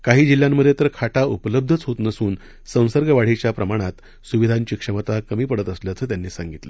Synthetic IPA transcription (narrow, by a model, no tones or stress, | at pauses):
kaɦiːd͡ʑilːjamːəd̪ʱjet̪əɾkʰaʈaʔupələb̚d̪ʱət͡sɦot̪nəsuːn | sə̃w̃səɾɡəʋaɽ̤et͡ɕjapɾəmaɽ̃at̪ | suʋid̪ʱaɲt͡ɕiːkʂəmət̪akəmiːpəɽət̪əsljat͡səːt̪̬janːiːsaŋɡit̪lə̰